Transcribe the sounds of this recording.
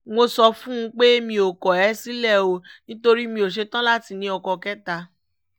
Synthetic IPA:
mo˧sɔ˧fũ˦ũ˧˦k͡pe˦mĩ˧o˨kɔ˨ɛ˨˦si˦lɛ˦˨o˧nĩ˦to˧ɾi˦mĩ˧o˨ʃ̬e˧tã˦la˦ti˧nĩ˧˦ɔ˧kɔ˧kɛ˦ta˧

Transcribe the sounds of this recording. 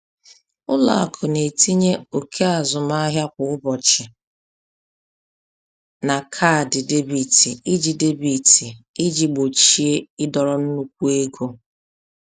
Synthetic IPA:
ʊ˦la̰˨kʰʊ˨ne˨ti˦ɲe˦o˨kʰe˦a˨zʊ˨ma˦ɦja˦kʷʊ˨ʊ˦bɔ˨t͡ʃɪ˨ | na˨kʰa˦˨dɪ˨de˦bi˨ti˨i˦d͡ʒi˨de˦bi˨tʰi˨i˦d͡ʒi˨ɡ͡bo˨t͡ʃi˨˦e˦ɪ˦dɔ˨ɾɔ˨n̩˦nu˦kʷu˦e˦ɡo˦

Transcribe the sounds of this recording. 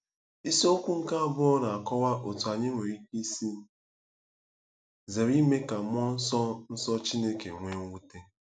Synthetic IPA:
i˦so˦kʷu˦ŋ̩˦ka˦a˦˨bʊ˦ɔ˦na˨a˨kɔ˦wa˦ʔo˨tu˨a˨ɲɪ˦ŋʷe˨ɾi˦ki˦si˦n̩˦ | ze˨ɾi˦me˦ka˨m˦ɔ˦n̩˦sɔ˦n̩˦sɔ˦t͡ʃi˦ne˦kḛ˨ŋʷe˦ŋ˦wu˦te˦

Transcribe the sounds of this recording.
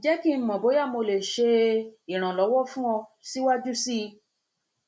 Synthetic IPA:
d͡ʒɛ˨˦ki˦˨˧mɔ̃˨bo˨˦ja˦˨mo˧le˨ʃe˧i˨ɾ̃ã˨lɔ˨˦wɔ˦fũ˦ɔ̃˧si˦wa˦d͡ʒu˦si˦

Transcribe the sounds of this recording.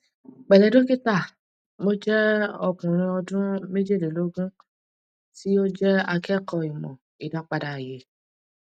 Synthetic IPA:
k͡pɛ˨lɛ˨do˦ki˦ta˦˨ | mo˦d͡ʒɛ˦ɔ˦˨kũ˨ɾ̃ĩ˧ɔ˧dũ˦me˦d͡ʒe˦˨le˨lo˨˦ɡũ˦ | ti˦o˦d͡ʒɛ˦a˧kɛ˦kɔ˧i˨mɔ̰̃˨ | i˨da˨˦k͡pa˨da˨je˨˦

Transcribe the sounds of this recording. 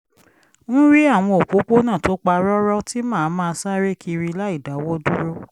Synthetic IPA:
nũ˦ɾi˦a˦˨w̃ɔ̃˧o˨k͡po˨˦k͡po˦nã˦˨to˨˦k͡pa˧ɾɔ˦ɾɔ˦ti˦mãː˦˨˦mãː˦˧sa˦ɾe˦kʰi˧ɾi˧˦la˦i˦˨da˨˦wɔ˦du˦ɾo˦

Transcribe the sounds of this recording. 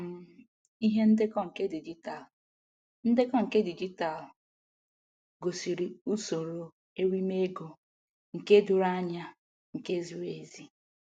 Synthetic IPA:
m̩˨ | i˦ɦe˦n̩˦dɪ˦kɔ˦ŋ̩˨ke˦di˨d͡ʒi˦ta˨l | n̩˦dɪ˦kɔ˦ŋ̩˨ke˦di˨d͡ʒi˦ta˨l | ɡo˨si˨ɾi˨u˦so˨ɾo˨ | e˦ɾi˦me˦ɡo˨ | ŋ̩˨ke˦dʊ˨ɾa˦ɲa˦ | ŋ̩˨ke˦zi˨ɾe˨zi˦

